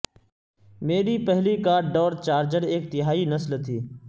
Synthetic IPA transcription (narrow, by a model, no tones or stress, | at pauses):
meːɾiːpəɦliːkaːɖɖɔːɾt͡ʃaːɾd͡ʒəɾeːk̚t̪ɪɦaːiːnəslt̪ʰiː